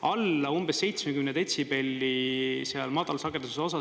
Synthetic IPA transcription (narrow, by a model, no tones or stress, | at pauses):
ɑlːɑumb̥esːe̞jt̪smekymned̪et̪ʲsipelʲːiseɑlmɑd̪̥ɑlsɑɡ̥et̪uuseo̞sɑ